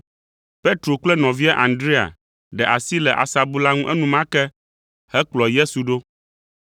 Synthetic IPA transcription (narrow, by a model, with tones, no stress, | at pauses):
pe˦t̪ɾo˨k͡plɛ˦nɔ̃˨vi˦ɛ˦ʔã˨nd̪ɾi˦a̰˨ | ɖɛ˨ʔa˨si˦lɛ˨ʔa̰˨sa˨bu˦la˦ŋũ˦ʔɛ˦nũ˦mã˦kɛ˦ | hɛ˦k͡plɔ˨je˦su˨ɖo˦